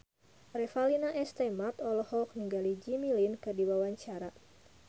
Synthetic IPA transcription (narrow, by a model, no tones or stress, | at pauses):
ɾɛfalinaʔɛst̪ɛmat̪ɔlɔhɔk̚niŋɡalid͡ʒimilinkɨdiwawaɲt͡ʃaɾa